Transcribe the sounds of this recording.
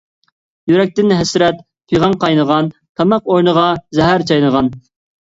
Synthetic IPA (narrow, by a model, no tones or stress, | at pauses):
jyɾɛk̚ʲt̪ɪnɦɛsɾɛt̪̚ | pʰyjʁɑŋqʰɑjnəʁɑn | t̪ʰɑmɑqoɾnəʁɑzɛɦæɾt͡ʃʰɑjnəʁɑn